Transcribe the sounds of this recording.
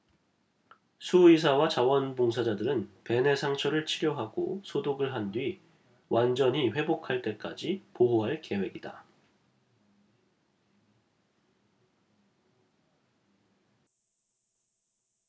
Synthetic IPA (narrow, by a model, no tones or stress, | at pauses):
sʰuis̬ʰawat͡ɕawʌnboŋs̬ʰad͡ʑadɯɾɯnpe̞ne̞sʰaŋt͡ɕʰʌɾɯɭt͡ɕʰiɡjoɦaɡo̰sʰodoɡɯɭɦandɥi | wʔand͡ʑʌɲiɸwe̞bokʰaɭt͈e̞k͈a̰d͡ʑipoɦoɦaɭke̞we̞ɡida̰